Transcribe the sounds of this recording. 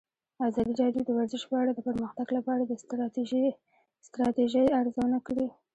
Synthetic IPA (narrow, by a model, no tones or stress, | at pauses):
azɑd̪iɾɑdjod̪əwaɾzɪʃpəaɽad̪əpəɾməxt̪aɡlapɑaɽad̪ə | st̪ɾɑt̪eʒəjaɾzawənakɽi